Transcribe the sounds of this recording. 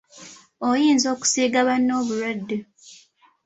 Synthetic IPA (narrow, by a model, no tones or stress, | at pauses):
ojiːnzo̞ːku̥siːɡaβanːo̞ːβuɾadːe